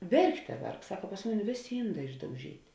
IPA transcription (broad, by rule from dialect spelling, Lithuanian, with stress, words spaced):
ˈʋʲɛrkˌtʲɛ ˈʋʲɛrk ˈsɑːkɐ pɐs ˈmʊˌnʲɪ ˈʋʲeːˌsʲeː ˈiːnˌdɑː ɪʒdɐʊˈʒʲiːtʲ